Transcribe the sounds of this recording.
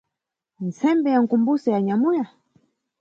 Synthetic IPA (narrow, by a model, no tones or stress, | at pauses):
n̩sɛmbɛjaŋ̩kumbusɛjaɲamuja